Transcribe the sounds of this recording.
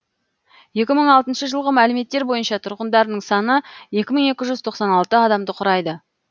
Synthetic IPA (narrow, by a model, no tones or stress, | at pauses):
je̞kʲɪməɴɑlˠt̪ənʃəʒəlˠʁəmælɪme̞t̪ːe̞ɾbo̞jənʃɑt̪ʰʊɾʁənd̪ɑɾənəɴsɑnəje̞kʲɪməɴe̞kʲɪʒʏzt̪ʰo̞qsɑnɑlˠt̪əɑd̪ɑmd̪əqʰʊɾɑjd̪ə